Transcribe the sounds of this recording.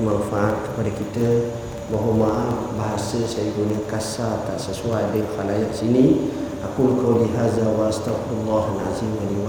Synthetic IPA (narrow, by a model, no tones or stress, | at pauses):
manfaʔat̚kə̥padakit̪ə | bəɦomaʔanbaɦasəsajəɡunəkasat̪aʔsəsuajdɛŋxalajat̚sini | ʔakulkʰawliɦazawaast̪afɾlːaɦanʕa̰zimwaliwa